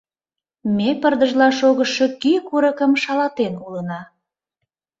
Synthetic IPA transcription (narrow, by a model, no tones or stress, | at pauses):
mepərd̪əʒlɑʃoɣəʃo̽kikuɾəkəmʃɑlɑt̪enulənɑ